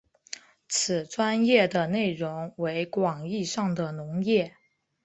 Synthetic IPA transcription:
t͡sʰɹ̩˨˩ʈ͡ʂwa˥njɛ˥˩d̪ə˩ne˥˩ɪɻʊ˧˥ŋwe˧˥ɪkwɑ˨˩ŋi˥˧ʂɑ˥˩ŋd̪ə˩nʊ˧˥ŋjɛ˥˩

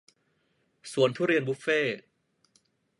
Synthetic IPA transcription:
su˨˩˦ənt̪ʰuː˥˩ɾi˧ənbuː˦˥feː˥˩

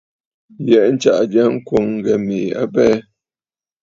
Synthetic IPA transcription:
jɛ˨ʔn̩˦t͡ʃa̰˦˨ʔd͡ʒja˦ŋ̩˦kwo˨ŋ̩˦ɡɛ˨me˨a̰˦bɛ˦

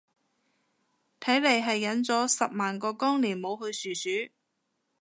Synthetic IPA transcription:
t̪ʰɐ˨˥jle˨jɦɐ˨jːɐ˨˥nt͡sɔː˨˥sɐ˨p̚maː˨˩nkɔː˧kɔː˥ŋliː˨˩nmo˨˧wɦɵ˧ɥsyː˨syː˨˥

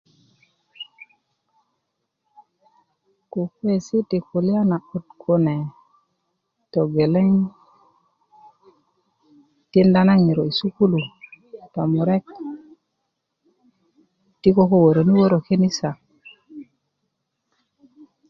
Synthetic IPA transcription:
ku˨kwe˦si˦ti˨ku˨li˦a˦na˨u˨tkʰo˦ne˨ | to˨ɡe˨le˦ŋ | ti˦nda˦na˦ŋi˨ɾo˨i˨su˦ku˦lu˨ta˨mu˨ɾe˦k̚ | ti˦ko˦ko˦wo˨ɾo˨ni˦wo˦ɾo˨ke˦ni˦sa˨

